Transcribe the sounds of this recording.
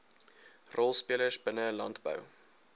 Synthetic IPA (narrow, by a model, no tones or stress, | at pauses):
rʔɔlˠspiələsbənəlɐntbə̰w